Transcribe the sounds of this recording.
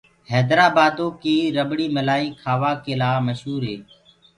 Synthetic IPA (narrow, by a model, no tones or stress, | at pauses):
ɦɛːd̪ɾaːbaːd̪õːkiːɾəbɽiːməlaːiːkʰaːʋaːkeːlaːməʃɦuːɾɦeː